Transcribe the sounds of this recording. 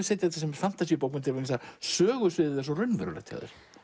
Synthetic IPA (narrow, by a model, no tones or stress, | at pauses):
seːjt̪ɪɛt̪asɛmfan̥t̪as̬ipowpmʏnt̪ɪɾvas̬asœːɣʏsvɪðɪðɛsɔrʏnvɛ̰ɾʏlɛ̰t̪ʰa̰ðɪ̰ɾ̥